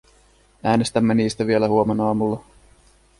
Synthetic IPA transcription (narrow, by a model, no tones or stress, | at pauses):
æːne̞st̪æmːeniːst̪æʋie̞læhuo̞menɑːmulːɑ